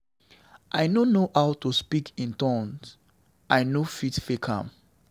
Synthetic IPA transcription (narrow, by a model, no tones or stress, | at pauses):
ʔajnonohawtuspikĩntɔ̃ns | ʔajnofitfekʰã̰m